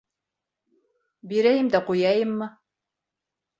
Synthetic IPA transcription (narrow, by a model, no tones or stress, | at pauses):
biɾæjɘmd̪æqujɑjɤmːɤ